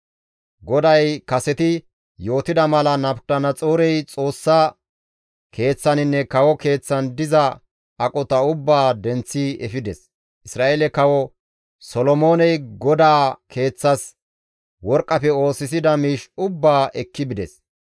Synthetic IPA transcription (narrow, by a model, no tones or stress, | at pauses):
ɡɔd̪ɐjkɐsɛt̪ɪ | jo̞ːt̪ɪd̪ɐmɐlɐnɐpt̪ɐnɐt͡sʼoːɾɛjt͡sʼo̞ːsːa | kʰe̞ːt͡sːɐnɪnːɛkɐwɔke̞ːt͡sːɐnd̪ɪzɐː | kʼɔt̪ɐʊbːaːd̪ɛnt͡sːiɛfɪd̪ɛs | ʔɪsɾaːʔeːlɛkɐwɔ | sɔlɔmo̞ːnɛjɡɔd̪aːkʰe̞ːt͡sːɐs | wɔɾkʼːɐfɛo̞ːsɪs̬ɪd̪ɐmiːʃʊbːaːʔɛkːɪbɪd̪ɛs